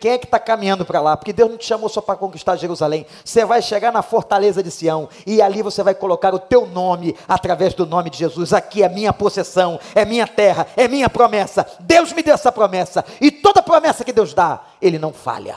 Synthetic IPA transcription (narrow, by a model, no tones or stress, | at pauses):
kẽj̃ɛkɪ̥t̪akamĩɲɐ̃nd̪ʊpɾalapoɾkɪd̪ewznɐ̃w̃t͡ʃɪ̥ʃamowsɔpɾɐkõkiʃt̪aɾʒeɾuzalẽj̃ | osevajʃeɡaɾnɐfoɾt̪alezɐd͡ʒɪsiɐ̃w̃ | ɪalivosevajkolokaɾʊt̪ewnõmɪat̪ɾavɛzd̪ʊnõmɪd͡ʒɪʒezuzakiɛmĩɲɐposesɐ̃w̃ɛmĩɲɐt̪ɛɦɐɛmĩɲɐpɾomɛsɐd̪ewzmɪd̪ewɛsɐpɾomɛsɐɪt̪od̪ɐpɾomɛsɐkɪd̪ewzd̪a | elɪnɐ̃w̃fa̰ʎɐ̰